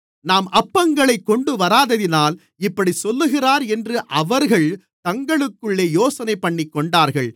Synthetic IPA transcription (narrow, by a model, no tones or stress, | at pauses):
naːmʔɐpːɐŋɡɐɭɐɪkːɔɳɖɯʋɐɾaːðɐðɪnaːl | ɪpːɐɽisɔlːɯɣɪraːɾɛndrɯʔɐʋɐɾɣɐɭ | t̪ɐŋɡɐɭɯkːɯɭːeːjoːsɐnɐɪpːɐɳːikːɔɳɖaːɾɣɐɭ